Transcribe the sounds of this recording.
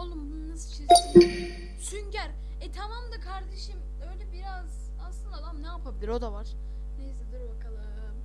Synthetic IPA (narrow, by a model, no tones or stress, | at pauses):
olˠumbnnasɯt͡ʃʰezɾi | syɲɟæɾ | ɛt̪ʰamamd̪akʰaɾd̪eʃim | ø̞jlʲɛbiɾaz | aslˠɯnd̪aːd̪amnejapʰabilʲiɾo̞d̪avaɾ̥ | nejsɛd̪ɯɾbakʰalˠɯɯ